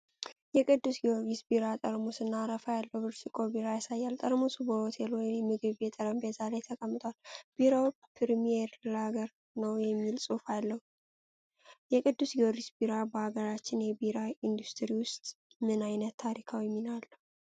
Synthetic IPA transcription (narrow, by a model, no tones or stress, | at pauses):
jɛkʼɨd̪ːusɡioɾisbiɾat̪ʼəɾmosɨnːaɾəfajalːəwbɨɾsikʼobiɾajasajːalt̪ʼəɾmusubəhot̪ʰelwɔjjnmɨɡɨβjɛt̪ʼəɾəmbet̪ʰalajt̪ʰəkʼəmːɨt̪ʼwalb̥iɾaw | pʰɨɾmieɾlaɡəɾ | nəwjɛmːilsʼufalːəhu | jɛkʼɨd̪ːusɡioɾisbiɾabəhaɡəɾat͡ʃːɪnjɛbiɾaind̪ust̪ʰʼɨɾiwʊst̪ʼmɨnajnət̪ːʰaɾikʰawɛmːinalːə